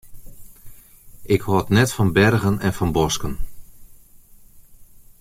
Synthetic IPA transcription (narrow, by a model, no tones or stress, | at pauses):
ʔɪkhɔːtnɛtfɔnbɛrɣənɛnfɔnbɔskən